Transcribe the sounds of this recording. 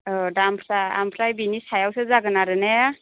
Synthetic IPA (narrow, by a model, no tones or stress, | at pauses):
ɔdampʰlaa̰mpʰlajbinisajawsɯzaɡɯnaɾɯne